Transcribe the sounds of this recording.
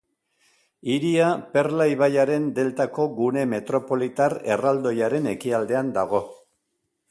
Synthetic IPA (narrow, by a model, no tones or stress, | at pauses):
iɾiape̞rlaiβajaɾe̞nd̪e̞lt̪ako̞ɣune̞me̞t̪ɾo̞po̞lit̪are̞̰rald̪o̞jaɾe̞ne̞kiald̪e̞and̪aɣ̞o̞